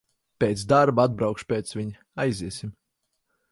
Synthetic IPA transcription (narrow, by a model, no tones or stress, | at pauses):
pʲeːt̪sd̪aɾbad̪̚bɾawkʃpʲeːt̪svʲiɲ | ajziɛsim